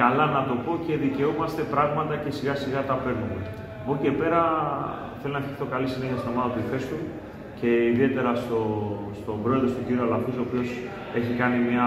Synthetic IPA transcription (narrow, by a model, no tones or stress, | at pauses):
ɐlɐnɐt̪o̞po̞ce̞ðice̞omɐst̪e̞pɾɐɣmɐt̪ɐce̞siɣɐsiɣɐt̪ɐpe̞ɾnume | o̞ce̞pe̞ɾɐ | θelonɐfçikθo̞kɐlisine̞çɐst̪ino̞mɐðɐt̪uife̞st̪un | ce̞iðie̞t̪e̞ɾɐst̪o̞st̪o̞bɾo̞e̞ðɾo̞st̪uciɾiɐlɐfisoːpio̞s | e̞çikɐnimɲɐ